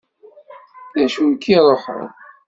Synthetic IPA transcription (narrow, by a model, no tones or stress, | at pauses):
ðæʃunkːiɾˤoħə̰ð